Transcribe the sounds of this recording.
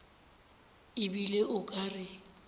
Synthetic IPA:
ɪbileʔʊkʼarɪ

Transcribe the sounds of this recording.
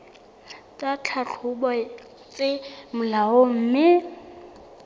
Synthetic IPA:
tʼat͡ɬʰat͡ɬʰʊbɔ | t͡sʼemʊlaom̩ːmɪ

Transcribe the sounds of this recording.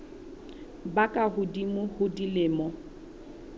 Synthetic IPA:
bakʼaɦʊdimʊhʊdilɪːmɔ

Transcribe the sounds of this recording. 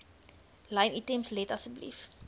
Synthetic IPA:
lɐjnitɛmslɛtɐsəblḭf

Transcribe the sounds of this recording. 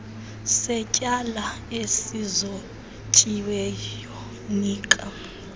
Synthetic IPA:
sɛcʼala | esizo | t͡ʃʼiwɛjɔ | niːkʼa

